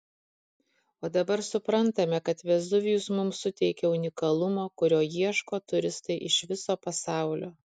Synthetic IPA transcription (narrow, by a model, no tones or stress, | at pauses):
oːd̪ɐbɐɾsʊpɾɐnt̪ɐmʲɛkɐt̪ʋʲɛzd̪ʊʋʲɪjusmʊmsʊt̪ʲɛɪkʲɛʊnʲɪkɐlˠʊmoːkʊɾʲoːjiɛʃkoːt̪ʊɾʲɪst̪ɐɪʔɪʃʋʲɪsoːpɐsɑˑʊlʲoː